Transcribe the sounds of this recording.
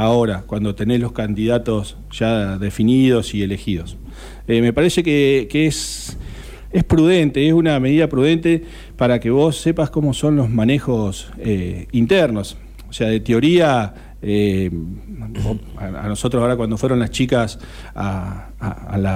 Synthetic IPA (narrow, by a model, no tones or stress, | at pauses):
ao̞ɾakwand̪ot̪e̞nezlo̞hkand̪iðat̪o̞s | ʒ̥aðe̞finið̞o̞sie̞le̞xið̞o̞s | eme̞paɾe̞se̞kekees | ehpɾuðe̞nt̪eesuname̞ðiðapɾuð̞e̞nt̪e̞ | paɾakeβo̞sːe̞pasko̞mo̞so̞nlo̞zmane̞xo̞s | eint̪ɛɾno̞s | oseaðe̞t̪eo̞ɾia | e | o | aa̰no̞so̞t̪ɾosaoɾakwand̪o̞fweɾo̞nlaht͡ʃikas | a | a̰la